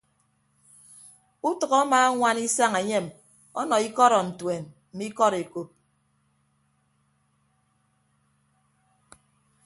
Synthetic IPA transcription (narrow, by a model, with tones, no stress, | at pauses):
u˦tʌ˨ɣɔ˦a˦maː˦ŋʷa˦ni˦sa˦ŋe˨ɲe˦˨m | ɔ˦nɔ˨i˦kɔ˦ɾɔ˨n̩˨twe˨nm̩˨mi˦kɔ˦ɾe˨ko˨p̚